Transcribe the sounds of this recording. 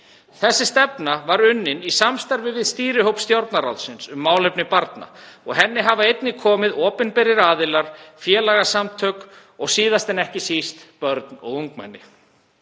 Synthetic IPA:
θɛsːɪst̪ɛpnavaɾʏnːɪnisamst̪aɾvɪvɪðst̪iːɾɪɦowpst̪jowɾt̪naɾa̰wlsɪnsʏmːaːwlɛpnɪpaɾt̪na̰ɔɣɦɛnːɪɦavaejt̪nɪkʰɔːmɪðɔːpɪnpɪɾɪɾaːðɪlaɾ̥fjɛːlaɣasamt̪ʰœːk | ɔɣsiːðast̪ɛnɛhcɪsist̪pœɾt̪nɔ̰ɣuŋk̚ma̰jnːɪ̰

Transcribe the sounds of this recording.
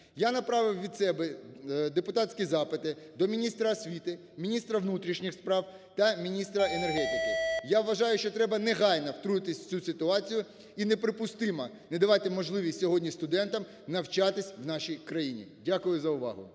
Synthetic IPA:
janɐpɾɑʋɪwʋʲid̪sɛbɛd̪epʊt̪ɑtʲsʲkʲizɑpɪt̪ɪ | d̪ɔmʲinʲist̪ɾɐɐsʲʋʲit̪ɪ | mʲinʲist̪ɾɐʋnut̪ɾʲiʃnʲixspɾɑw | t̪ɐmʲinʲist̪ɾɐenerɦɛt̪ʲɪkɪjaʋʋɐʒɑjʊʃt͡ʃɔt̪ɾɛbɐnɛɦɑjnɐwt̪ɾuɪt̪ɪsʲt͡sʲusɪt̪ʊɑt͡sʲijʊ | inɛpɾɪpʊst̪ɪmɐ | nɛd̪ɐʋɑt̪ɪmɔʒlˠɪʋʲisʲtʲsʲɔɦɔdʲnʲist̪ʊd̪ɛnt̪ɐm | nɐwt͡ʃɑt̪ɪsʲʋnɑʃijkɾɐjinʲḭdʲakʊjʊzɐʊʋɑ̰ɦʊ̰

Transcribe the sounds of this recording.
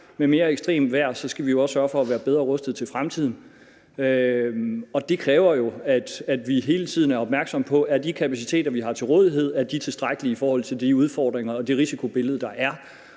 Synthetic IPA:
meme̝ːɐeɡ̥sd̥ʁḛːmʋæɐ̰sɒ̽sɡ̥æʋijo̝ɒ̽sːɶɐfɒ̽æʋæːɐb̥eð̞ˠʁɐʁɔ̽sd̥ð̩ˠt͡sʰe̝lfʁamt͡sʰið̰ˠn̩ | ø | ɒ̽d̥e̝kʰʁɛːʊɐjo̝æd̥æd̥ʋiɦe̝ːlət͡sʰið̞̰ˠn̩æɐɒ̽b̥mæɐɡ̥sɒ̽mpʰɒ̽ʔæd̥ikʰæpʰæsit͡sʰe̝̰ːd̥ɐʋiɦɑ̈t͡sʰe̝lʁɔːðˠiɦe̝ð̰ˠæɐd̥it͡sʰe̝sd̥ʁaɡ̥əliifɒːhɒ̽l̰t͡sʰeld̥iuð̞ˠfɒːd̥ʁeŋɐ̽ːd̥iʁisikʰo̝b̥e̝ləð̞̩ˠd̥ɑ̈ʔæɐ

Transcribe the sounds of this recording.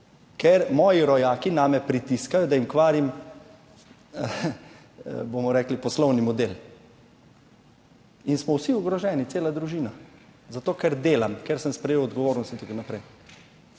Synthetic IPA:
kɛɾmɔːjiɾɔjaːkinaːmɛpɾit̪iskajɔd̪ajimkʋaːɾim | bomɔɾɛːklipɔslɔwnimɔd̪el | insmɔwsiuɡɾɔʒɛnit͡s̪eːlad̪ɾuʒiːnazat̪oːkɛɾd̪eːlamkɛɾsəmspɾɛjeːwɔd̪ɡɔʋoːɾnɔst̪int̪akonapɾɛj

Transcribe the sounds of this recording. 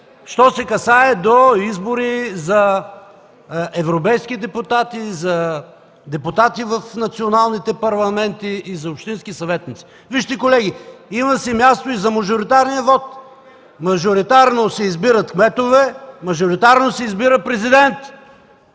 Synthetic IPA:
ʃt̪ɔsɛkɐsaɛd̪oizboɾizɐ | ɛvɾopɛjskid̪ɛput̪at̪izɐ | d̪ɛpʊt̪at̪ivɐfnɐt̪sionalˠnit̪ɛpɐɾlˠɐmɛnt̪iːzɐopʃt̪inskisɐvɛt̪nit̪si̥ | viʃt̪ɛkolɛɡ̟iimɐsɛmʲjast̪oizɐmɐʒoɾit̪aɾniɐvɔt̪ | mɐʒoɾit̪aɾnosɛizbiɾət̪kmɛt̪ovɛmɐʒoɾit̪aɾnosɛizbiɾəpɾɛzid̪ɛnt̪

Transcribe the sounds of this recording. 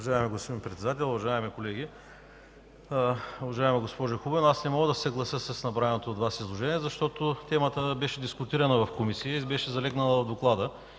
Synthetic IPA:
ʊɐʒaɛmɛɡospod̪inpɾɛt̪sɛd̪at̪ɛlˠʊvɐʒaɛmikolɛɡ̟ʲi | ʊvɐʒaɛmɛɡospɔʒoxubɛnasnɛmɔɡəd̪ɐsəɡlˠɐsəsɐsnɐbɾaɛnot̪oːd̪vasizlˠoʒɛniɛzɐʃt̪ɔt̪ot̪ɛmət̪əbɛʃɛd̪iskʊt̪iɾɐnəvɐfkomisiibɛʃɛzɐlɛɡnɐlˠəvɐvd̪oklˠad̪ə

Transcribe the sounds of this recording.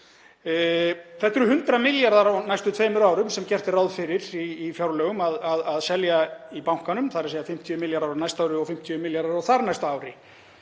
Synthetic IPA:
θɛht̪ːʏɾʏhʏnt̪ɾamɪljaɾðaɾanajst̪ʏt̪ʰveːjmʏɾaːwɾʏmsɛmcɛr̥t̪ɪraːwðfɪɾɪɾ̥iːfjawɾlœːɣʏmaðaðaðsɛljaipawŋ̥kanʏmθaɾsejafɪm̥t̪ʰjiʏmɪljaɾðawɾnajst̪aːwɾɪɔfɪm̥t̪ʰiʏmɪljaɾðaɾawθaɾnajst̪aːwɾɪ̰

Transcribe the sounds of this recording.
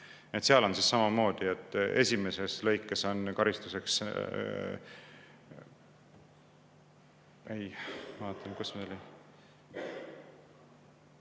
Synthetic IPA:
et̪seɑlo̞nsisːɑmɑmo̞ːd̪̥iet̪ːˑe̞̰sʲime̞se̞slɤ̞jkːˑe̞so̞nkɑɾist̪use̞ks | ʔejmɑɑːt̪ʰːˑelkusmeoli

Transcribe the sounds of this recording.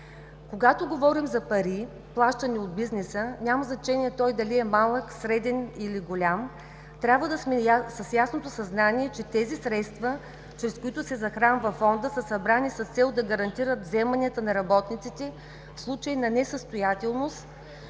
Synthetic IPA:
koɡat̪oɡovɔɾimzɐpɐɾi | plˠaʃt̪əniod̪̚biznɛsənʲamɐznɐt͡ʃɛniɛt̪ɔjd̪ɐliɛmalˠəksɾɛd̪ɛniliɡolʲam | t̪ɾʲabvəd̪əsmɛsɐsjasnot̪osɐznaniɛt͡ʃɛt̪ɛzisɾɛt̪st̪və | t͡ʃɾɛskoit̪ʊsɛzɐxɾanvɐfɔnd̪əsəsɐbɾanisɐst̪sɛlˠd̪ɐɡɐɾɐnt̪iɾət̪vzɛmɐnʲiət̪ənɐɾɐbɔt̪nit̪sit̪ɛ | fslˠut͡ʃəjnɐnɛsəst̪ojat̪ɛlˠnost̪

